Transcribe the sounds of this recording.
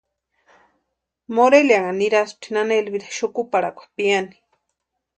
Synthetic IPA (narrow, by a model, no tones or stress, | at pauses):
moɾeljaŋaniɾas̚t̪ʰinanelβiɾḁʃukupaɾako̥xpiani̥